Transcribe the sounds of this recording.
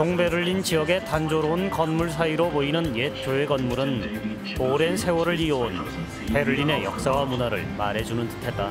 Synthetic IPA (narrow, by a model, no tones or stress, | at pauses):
toŋbe̞ɾɯʎːint͡ɕiʌɡe̞tand͡ʑoɾounkʌnmuɭs̬ʰaiɾoboinɯnjet͡ɕoeɡʌnmuɾɯn | oɾensʰe̞wʌɾɯɭion | pe̞ɾɯʎːine̞jʌ̰k̚s͈awamunaɾɯ̰ɭmaɾe̞d͡ʑunɯntɯ̥tʰe̞t͈a